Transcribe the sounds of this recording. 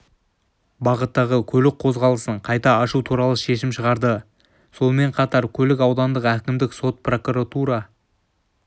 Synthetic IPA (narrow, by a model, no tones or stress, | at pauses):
bɑʁət̪ːɑʁəkʲʰɵlɪk̚qʰo̞zʁɑlˠəsəɴqʰɑjt̪ɑːʃut̪ʰuɾɑlˠəʃe̞ʃɪmʃəʁɑɾd̪ə | so̞nme̞ɴqʰɑt̪ɑɾkʲʰɵlɪkɑwd̪ɑnd̪əqækʲɪmd̪ɪkso̞t̪̚pro̞kuɾat̪uɾɑ